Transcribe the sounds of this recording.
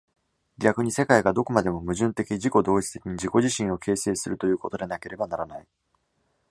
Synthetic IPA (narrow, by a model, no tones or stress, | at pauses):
ɡʲakɯ̟ɲ̟ise̞kaiɡad̪o̞ko̞mad̪e̞mo̞mɯ̟ʑɨ̃nt̪e̞kʲiʑiko̞d̪o̞ːit͡sɨ̥t̪e̞kʲiɲ̟iʑiko̞ʑiɕĩɰ̃o̞kʰe̞ːse̞ːsɨɾɯ̟t̪o̞jɯ̟ːko̞t̪o̞d̪e̞nake̞ɾe̞banaɾanai